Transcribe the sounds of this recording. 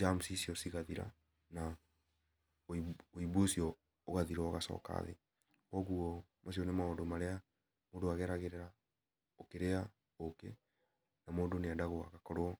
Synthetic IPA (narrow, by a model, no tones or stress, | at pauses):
d͡ʒamsisiɔsiɣaðiɾa̰ | na | oiβosiɔ | oɣaðiɾɔɣasɔ̰ːka̰ðḛ | kɔɣuɔ | mas̬iɔnemaodomaɾea | moːndoaɣɛɾaɣeɾeɾa | okeɾea | okḛ | namoːndoneadaɣoa̰ɣakɔɾwɔ